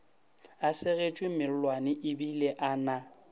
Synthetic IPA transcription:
asɪɣet͡ʃʼwɪmɪl̩lwanɪʔɪbileʔaːna

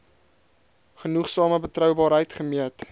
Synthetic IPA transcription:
χənuχsɑːməbətrœwbɑːɾɦəjtχəmiət

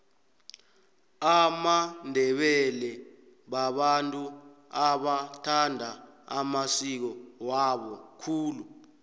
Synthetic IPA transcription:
amandʱɛɓɛlɛ | ɓaɓantʼuaɓatʰandʱa | a̰masik̬ɔwaɓɔkʰuːlu

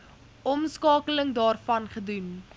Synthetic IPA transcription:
ɔmskɑːkələŋdɑːrfɐnχədun

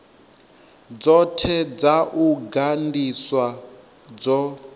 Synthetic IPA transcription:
d͡zɔtʰɛd͡zaʔuɡandiswa | d͡zɔ

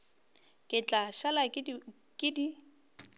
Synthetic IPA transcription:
kʼɪt͡ɬʼaʃala | kʼɪdi

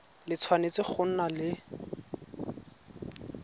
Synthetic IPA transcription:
lɪt͡sʰwanet͡sɪk͡xʰʊn̩nalɪ

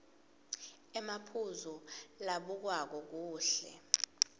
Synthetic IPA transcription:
ɛmapʰuzɔlaɓuk̬wak̬ɔk̬uːɬɛ̰

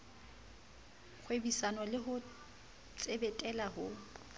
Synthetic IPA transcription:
k͡xʰwebisanɔlɪɦʊ | t͡sʼebɛtʼɛlaɦʊ

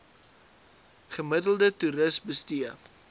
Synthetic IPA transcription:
χəmədəlˠdətuɾəsbəstiə

